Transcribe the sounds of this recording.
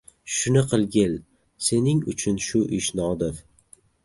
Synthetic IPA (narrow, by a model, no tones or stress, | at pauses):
ʃʊnɪqʰɨlˠɡʲɪl | se̞nɪŋʊt͡ʃʰʊnʃʊʔɪʃnɒd̪ɪɾ